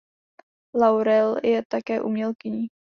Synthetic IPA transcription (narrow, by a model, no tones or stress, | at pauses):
lawɾɛljɛt̪akɛːʔumɲɛlkɪɲiː